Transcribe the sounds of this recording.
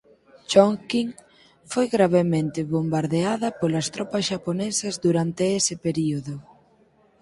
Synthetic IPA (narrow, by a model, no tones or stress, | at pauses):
ʃoŋkiŋ | fojɣɾaβemẽnt̪eβombaɾðeaðɐpolɐst̪ɾɔpɐsʃaponesɐzðuɾant̪eesɪpeɾioðʊ